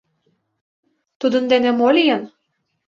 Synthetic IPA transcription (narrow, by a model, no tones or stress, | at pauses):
t̪ud̪ɤ̆nd̪enemolʲijɤn